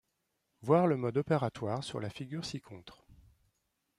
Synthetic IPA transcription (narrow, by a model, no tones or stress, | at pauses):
vwaʁləmɔd̪ɔpeʁat̪waːʁsy̰ʁlafiɡʲyʁsikʰɔ̃t̪χ